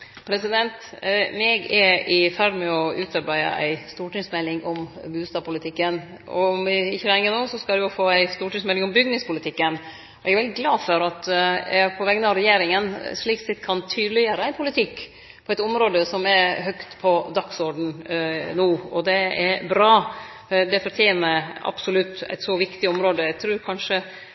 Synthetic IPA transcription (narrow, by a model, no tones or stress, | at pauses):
pʰɾɛsɪd̪ɛnt̪mɛɡɛɾɪfæɾɖmɛɔʉːt̪ɑɾbæɪə̰ʔæ̰ɪst̪uːʈɪŋsmɛlːɪŋɔmbʉːst̪ɑːpʰʊlɪt̪ʰɪkːən | ɔ̰mɪçːəɾɛŋːənoːsɔskɑlɪɔfoːæɪst̪uːʈɪŋsmɛlɪŋɔmbʏɡnɪŋspʊlɪt̪ʰɪkːən | ɔɛɡɛɾʋɛld̪ɪɡlɑːd̪fɔɾɑt̪pʰɔʋɛɡənɑʋɾɛjeːɾɪŋənʂɭiːksɛt̪ːkʰɑnt̪ʰyːd̪əlɪəɾəæɪnpʰʊlɪt̪ʰɪkː | pʰɔɛt̪ɔmɾoːd̪əsɔmɛɾɦœkt̪pʰɔd̪ɑksɔɾɖɳ̩nuːɔd̪ɛɛɾbɾɑː | d̪ɛfɔɾʈʰjeːnəɾɑ̰b̥sʊlʉt̪ːæ̰ɪt̪sɔʋɪkt̪ɪɔmɾoːd̪əæt̪ʰɾʉːɾkʰɑnʂə